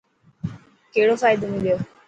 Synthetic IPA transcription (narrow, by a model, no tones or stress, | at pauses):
keɽofaːjd̪omiljo